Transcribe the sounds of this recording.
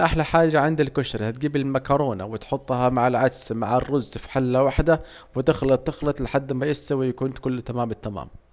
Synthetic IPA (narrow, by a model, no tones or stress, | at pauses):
ʔaħlaħaːd͡ʒaʕɪnd̪alkʊʃɾhat̪̚ɡiːbɪlmakɑɾˤoːna̰wɪt̪ħʊt̪ˤːhamaʕɪlʕad̪smaʕɪrːʊzːfi̥ħalːawaħd̪awɪt̪ɪxlɑt̪ːɪxlɑt̪ˤlɪħad̪ːmajɪst̪awijakuːnt̪kʊlːt̪amaːmɪt̪ːama̰ːm